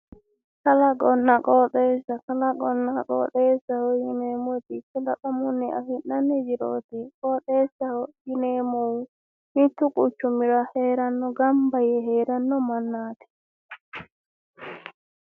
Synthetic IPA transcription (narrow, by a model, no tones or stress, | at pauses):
kalaɡɔnːaɡɔɗɛsakalaɡɔnːaɡɔ̰ɗɛsahɔjinɛmotikɛlaɗamunːɛa̰hinːaned͡ʒiɾo̰tikɔɗɛsaɔjinɛmow | mitukut͡ʃumiɾahɛɾanːɔɡambajɛɦɛɾanːɔmanːati̥